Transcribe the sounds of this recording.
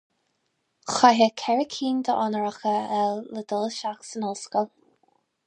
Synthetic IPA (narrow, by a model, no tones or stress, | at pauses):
xaɦəkʰɛɹəkʰiːnd̪əʔɔnəɹəxəɛlːəd̪ɔlʃaksənɔlskəlˠ